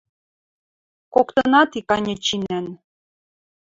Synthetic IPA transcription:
kokt̪ɤnɑt̪ikɑnʲɤ̆t͡ɕinæn

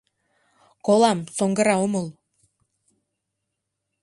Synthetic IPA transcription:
kolɑmsoŋɡɤ̆ɾɑomɤlˠ

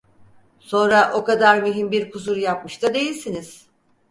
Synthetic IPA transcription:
so̞nɾaʔo̞kad̪aɾmyɦimbiɾkʰusuɾjap̚mɯʃt̪ʰad̪e̞jilʲsiniz̥

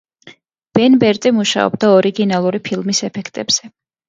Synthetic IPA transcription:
b̥ɛnbɛɾt̪ʼimuʃa̰ɔ̰b̚d̪aɔɾiɡinalˠuɾipʰilˠmisɛpʰɛkʰt̪ʼɛbz̥ɛ

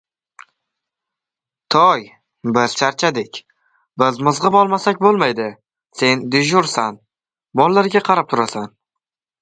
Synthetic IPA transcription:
t̪ʰɒj | bɪz̥ʃʰaɾt͡ʃʰad̪ekʲ | bɪzmɨzʁɨbɒlˠmasakʲbolˠmajd̪ɪ | se̞nd̪ɪʒʊɾsan | mɒlˠːaɾɡʲaqʰɑɾap̚t̪ʰʊɾasan

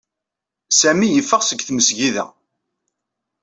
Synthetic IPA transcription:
sæmijəfːəʁsəɡθməsʝiðæ̰

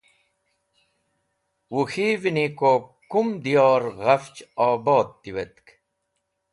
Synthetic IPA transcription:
wuxiːvinikokumd̪ijoːɾʁɐft͡ɕaːboːt̪ːiwet̪k

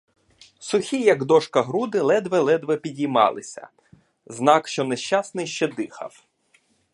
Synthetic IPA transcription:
sʊxʲijɐɡd̪ɔʃkɐɦɾud̪ɪlˠɛd̪ʋɛlˠɛd̪ʋɛpʲidʲijmɑ̰lˠɪsʲɐ̰ | znɑkʃt͡ʃɔnɛʃt͡ʃasnɪjʃt͡ʃɛd̪ɪxɐ̰w

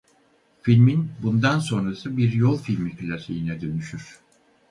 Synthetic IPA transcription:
filʲminbund̪anso̞nɾasɯbiɾjolˠfilʲmikʰilʲasḛjinɛd̪ø̞nyʃyɾ̥

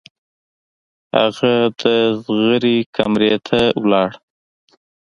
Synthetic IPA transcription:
ha̰ɣad̪əzɣəɾikʰamɾet̪ʰawlɑɽ

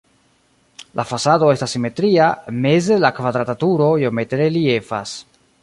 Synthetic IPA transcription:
lʔafasadoest̪asime̞t̪ɾiamezelakvad̪ɾat̪at̪uɾojomet̪ɾeliefa̰s

